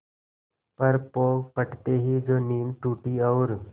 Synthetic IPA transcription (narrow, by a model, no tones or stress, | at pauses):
pəɾpoɡpəʈt̪eɦiːd͡zoniːmʈuʈiːəwɾ